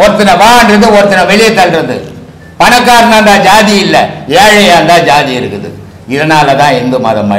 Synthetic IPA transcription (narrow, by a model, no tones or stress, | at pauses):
ɔɾɯt̪ːɪnɐʋãːɐnrɐðɯɔɾɯt̪ːɪnɐʋɛɭɪjɛt̪ːɐlɾɐðɯ̰ | pɐɳɐk̬ːaːɾɐnaːnd̪aːd͡ʒaːðɪɪlːɐeːɻɐjaːnd̪ãːd͡ʒaːðiɪɾɯkːɯðɯ̰ | ɪðɐnaːlɐt̪ãːɛnd̪ɯmɐ̰ðɐmːa̰ː